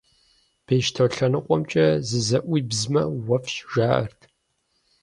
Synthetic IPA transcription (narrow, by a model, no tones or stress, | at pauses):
b̥eːʃtʰɐwɬɐnɨqʷʼɔmt͡ʃʼɐzɨzɐʔʷiːbzmɐwɐfɕʒaːʔɐ̰rtʰ